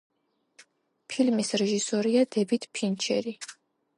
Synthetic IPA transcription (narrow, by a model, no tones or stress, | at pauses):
pʰilmisɾɛʒisɔɾiad̪ɛbit̪ʰpʰint͡ʃʰɛ̰ɾi